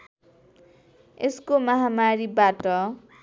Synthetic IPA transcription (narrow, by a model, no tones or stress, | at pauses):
eskomʌɦamaɾibaʈʌ